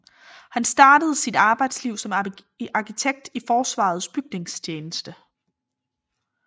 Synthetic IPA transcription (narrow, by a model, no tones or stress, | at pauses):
hænsd̥ɑ̈ːd̥əð̞̩ˠəsid̥ɑ̈ːb̥ɑ̈ɪd̥sliʊ̰sɒ̽m | ɑ̈kʰit͡sʰeɡ̥̚d̥ifɒːsʋɑ̰̈ð̩ˠsb̥yɡ̥ne̝ŋst͡ɕʰeːnəsd̥ə